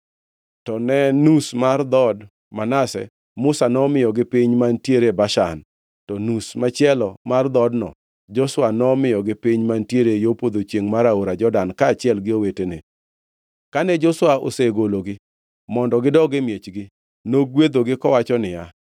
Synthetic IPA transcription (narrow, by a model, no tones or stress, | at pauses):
tɔnɛnusmard̪ɔd | manasɛ̰ | mʊsanɔmɪjɔɡɪpɪɲmantjeɾebaʃa̰n | tɔnusmat͡ʃɪɛlɔmard̪ɔdnɔ̰ | d͡ʒɔswanɔmɪjɔɡɪpɪɲmantjeɾejopod̪ot͡ʃjeŋmaɾaoɾad͡ʒɔdankaːt͡ʃɪɛlɡɪowetenɪ | kanɛd͡ʒɔswao̰seɡoloɡɪ | mɔndɔɡɪdɔɡɪmjet͡ʃɡɪ | noɡwed̪oɡɪkɔwat͡ʃɔnɪja